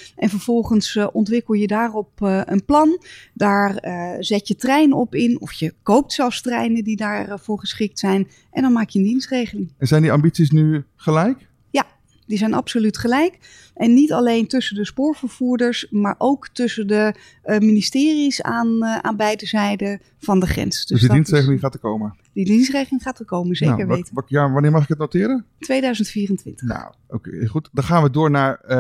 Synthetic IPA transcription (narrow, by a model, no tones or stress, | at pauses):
ʔɛnvəɹv̥ɔlˠχənsʔɔntʋɪkəlˠjədaːrɔpə̰nplɑndaːrəzɛtjətrɛjnɔpɪnɔ̰fjəkowp̚tsɛlˠfstrɛjnədidaːɹrv̥ʊːɹχəsχɪk̚tsɛjn | ʔɛ̰ndɑnmaːkjəəndinstrejχəlɪŋɛnzɛjndiɑmbitsis̬nyχəlɛjk | ja | d̥izɛjnʔɑ̰psolytχəlɛjk | ʔɛnːitɑlejntʏsəndəspʊːɹv̥əɹv̥uːɹdəɹsmaːɹʔowktʏsəndə | ministɪːrisa̰ːnʔa̰ːnbɛjdəzɛjdə | v̥ɑndəχrɛ̰nsd̥øsdiddinstrejχlɪŋχaːtəkowmə | didinstrejχlɪŋχaːtəkowmənzeːkəɹʋejtjaʋɑnɪːɹmɑχɪkɦət̚notɪːɾəntʋejdœɥzəntfiːrəntʋɪ̰ntəna̰ | o̰kḛχutdɑ̃χaːnʋədʊːɹnaːɹ